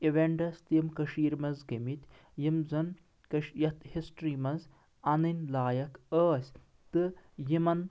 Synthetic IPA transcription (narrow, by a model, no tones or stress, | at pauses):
iʋeɳɖɐst̪jimkɐʃiːɾmɐnzɡɐmit̪ʲ | jimzɐn | kɐʃjɐt̪hisʈɾiːmɐnz | ɐnɨnʲlaːjɐkʰəːsʲ | t̪ɨjimɐn